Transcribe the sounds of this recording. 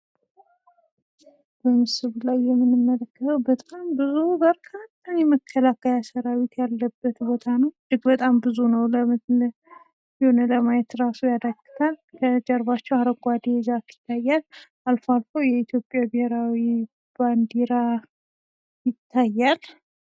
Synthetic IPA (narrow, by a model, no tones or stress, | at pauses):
b̥əmɨsɨβulajːɛmːɨnɨmːələkːət̪ʰəwbət̪ʼambɨzubəɾkʰət̪ʰːənjɛməkʰːəlakʰːəjasəɾawit̪jalːəbːət̪bo̞t̪ʰanəwd̪ɨɡbət̪ʼambɨzunəwləm | jhonələmajɛt̪ɾasujad̪əɡɨt̪ʰalkʰəd͡ʒɛɾbat͡ʃːɛwaɾəɡʷʼad̪ed͡ʒakɪ̥t̪ʰːajːal | alfoalfowjɛit̪jo̞pʼjabɪheɾawi | b̥and̪eɾa | jɪt̪ʰːajːal